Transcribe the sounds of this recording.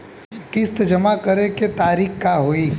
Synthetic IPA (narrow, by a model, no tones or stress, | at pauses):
kɪst̪d͡ʒəmakəɾeket̪aːɾiːkkaɦoi